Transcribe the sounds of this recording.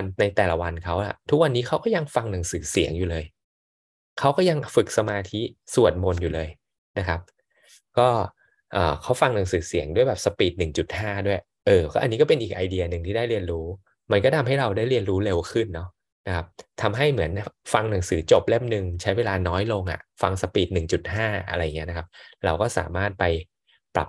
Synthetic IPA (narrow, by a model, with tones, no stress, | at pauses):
nna˧jt̪ɛː˨˩la˨˩wa˧nkʰa˦˥wʔa̰˨˩t̪ʰu˦˥k̚wa˧nːiː˦˥kʰa˦˥wkɔː˥˩ja˧ŋfa˧ŋna˩˦ŋsɯː˩˦si˨˩˦ŋjuː˨˩lɤː˧j | kʰa˦˥wkɔː˥˩ja˧ŋfɯ˨˩k̚sa˧maː˧t̪ʰi˦˥su˨˩ət̪̚mo˧njuː˨˩lɤː˧j | na˦˥kʰa˦˥p̚ | kɔː˥˩ | ʔɤː˨˩kʰa˦˥wfa˧ŋna˩˦ŋsɯː˩˦si˩˦əŋdu˥˩əjbɛː˨˩psa˧piː˨˩t̪̚nɯ˨˩ŋt͡ɕu˨˩t̪̚haː˥˩du˥˩əj | ʔɤː˧˩kɔ˥˩ʔa˧niː˦˥kɔ˥˩pe˧nʔiː˨˩k̚ʔa˧jdi˧ɐ˧nɯ˨˩ŋt̪ʰiː˥˩daː˥˩jɾi˧ənɾuː˦˥ | ma˧nkɔː˥˩t̪ʰa˧mɦa˥˩jɾa˧wdaː˥˩jɾi˧ənɾuː˦˥le˧wkʰɯ˥˩nːɔ˦˥ | na˦˥kʰa˦˥p̚t̪ʰa˧mɦa˥˩jmɯ˩˦ənfa˧ŋna˩˦ŋsɯː˩˦t͡ɕo˨˩p̚le˥˩mnɯ˧ŋt͡ɕʰa˦˥jweː˧laː˧nɔː˦˥jlo˧ŋʔa̰˨˩fa˧ŋsa˧piː˨˩t̪̚nɯ˨˩ŋt͡ɕu˨˩t̪̚haː˥˩ʔa̰˧ɾa˧ja˨˩ŋi˦˥na˦˥kʰa˦˥p̚ɾa˧wkɔː˥˩sa̰ː˩˦maː˥˩t̪̚pa˧j | pɾa̰˨˩p̚